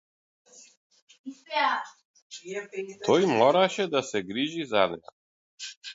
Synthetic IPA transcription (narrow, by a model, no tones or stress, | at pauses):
t̪ʰɔjmɔɾaʃɛd̪asɛɡɾiʒizanɛa̰